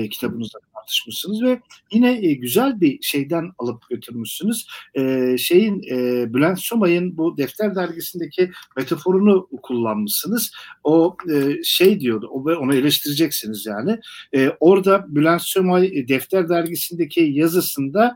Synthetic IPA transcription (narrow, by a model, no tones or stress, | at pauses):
cʰi̥t̪ʰabɯnuzat̪ʰaɾt̪ʰɯ̥ʃmɯʃsɯnɯzvɛjinɛɟyzælʲbiʃe̞jd̪ænalˠɯp̚ɟø̞t̪ʰyɾmyʃsɯnɯz̥ɛːʃe̞jinːbylʲænsjomajɯnbud̪ɛft̪ʰʲæɾd̪æɾɟisind̪ecʰime̞t̪ʰafo̞ɾunukʰulˠːanmɯʃsɯnɯz̥o̞ːʃejd̪ijo̞d̪uovɛo̞nailʲɛʃt̪ʰiɾid͡ʒɛcsinizjaːnɪːo̞ɾd̪abylʲænsjomajd̪ɛft̪læɾd̪æɾɟisind̪ecʰijazɯsɯnd̪a